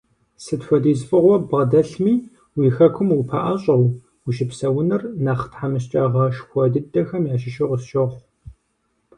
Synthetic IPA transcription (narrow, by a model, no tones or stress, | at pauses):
sɨtħʷɔdiːzfʼɨʁʷɔbʁɐdɐɬmiː | wiːxɐkʷʰʊmupʰaʔɐɕʼɐw | uʃɪpsɐwʊnɨrnaːχtħamɨɕ̬t͡ʃʼɐʁɐʃxʷɔdɨdɐxɐmjaːʃɪʃɪʁʷʊsʃɐχʷ